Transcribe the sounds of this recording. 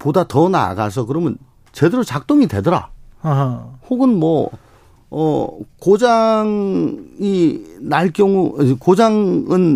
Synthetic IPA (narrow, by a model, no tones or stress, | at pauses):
podatʌna̰ɡa̰s̬ʰʌkɯɾʌmjʌn | t͡ɕe̞deɾot͡ɕak̚t͈oŋide̞dʌɾa̰ | hoɡɯnmwʌ̰ː | kod͡ʑaŋ | inaɭk͈jʌŋukod͡ʑaŋɯn